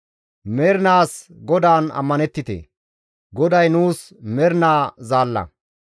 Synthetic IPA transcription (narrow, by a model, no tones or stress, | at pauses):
mɛːɾnaːsɡɔd̪aːnɐ̰mːɐnɛt̪ːɪt̪ḛ | ɡɔd̪ɐjnuːs | mɛɾnaːzaːlːɐ̰